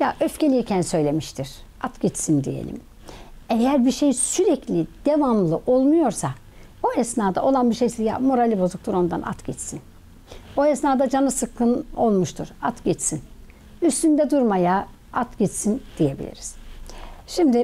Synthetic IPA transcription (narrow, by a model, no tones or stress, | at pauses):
jaʔøfcʰe̞lʲiɾcʰænsø̞jlʲemiʃt̪ʰiɾ̥ | at̪ɟit͡ʃsind̪ḭje̞̰lʲḭm | ejæɾbiɾʃejsyɾɛclʲid̪̥e̞vamlˠɯʔo̞lˠmujo̞ɾsa | oɛsnaːd̪a̰ʔo̞lˠanbiʃejsija̰mo̞ɾalʲibo̞zuk̚t̪ʰuɾo̞nd̪a̰nʔa̰t̪ɟɛt͡ʃsin | oɛsnaːd̪ad͡ʒanɯsɯkʰːɯno̞lˠmuʃt̪ʰuɾat̪ɟɛt͡ʃsin | yst̪ynd̪ɛd̪uɾmaja | at̪ɟɛt͡ʃsind̪̥ije̞bḭlʲḭɾiz̥ | ʃimd̪i